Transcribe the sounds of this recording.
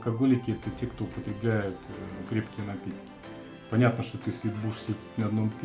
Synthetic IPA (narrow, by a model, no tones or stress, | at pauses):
kɐɡo̞lʲɪkʲɪɛt̪ətʲekt̪oʊpət̪ɾʲɪblʲæjʊt̪kɾʲepkʲɪjənɐpʲit̪kʲɪ̥ | pɐnʲat̪nəʂt̪ot̪ɨsʲlʲɪbuʂsʲedʲɪt̪ʲnɐɐd̪no̞mpʲ